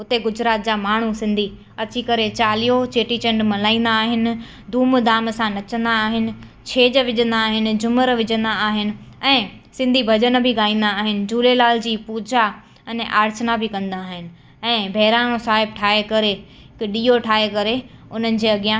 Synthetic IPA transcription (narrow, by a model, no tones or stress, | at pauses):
ʊt̪eɡʊd͡ʑɾaːt̪̚d͡ʑaːmaːɳ̤usɪ̃nd̪ʱi | ɐt͡ɕikɐɾet͡ɕaːlijot͡ɕeːʈit͡ɕɐ̃ɳɖmɐlaːĩːn̆d̪aːɦɪnɪ̆ | d̪ʱuːmd̪aːmsãnɐt͡ɕə̃nd̪aːɦɪnɪ̆ | t͡ɕʰeːd͡ʑəʋɪd͡ʑə̃nd̪aːɦɪnɪ̆d͡ʑʊməɾʋɪd͡ʑə̃nd̪aaːɦɪnɪ̆ɛ̃ː | sɪ̃nd̪ʱibʱɐd͡ʑən̆bʱɪɠaːĩːn̆d̪aːɦɪnɪ̆d͡ʑuːlelaːld͡ʑiːpuːd͡ʑa | ɛnʔaːɾt͡ɕənabɪkɐ̃nd̪aːɦɪnɪ̆ | ɛ̃ːbʱɛːɾaːnõsaːɦɪb̚ʈʰaːɦekɐɾe | ɪkɗiːoʈʰaːɦekɐɾeʊn̤ənɪ̆d͡ʑeːɐɠijã